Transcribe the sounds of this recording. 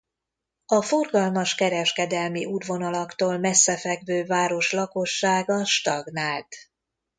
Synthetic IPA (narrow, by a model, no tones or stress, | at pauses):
ɒfo̞rɡɒlmɒʃkɛɾɛʃkɛd̪ɛlmiud̪vo̞nɒlɒkt̪oːlmɛsːɛfɛɡvøːvaːɾo̞ʃlɒko̞ʃːaːɡɒʃt̪ɒɡnaːlt̪